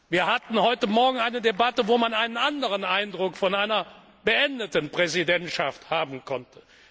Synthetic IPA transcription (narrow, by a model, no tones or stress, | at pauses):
viːɐhatn̩hɔʏtəmɔɐɡŋ̩aɪnədebatəvoːmanaɪnənʔandəʁ̞ənʔaɪndʁʊkfɔnaɪnɐ | bəʔɛndətən̩pʁ̥ɛzidɛntʃafthaːbn̩kʰɔntə̥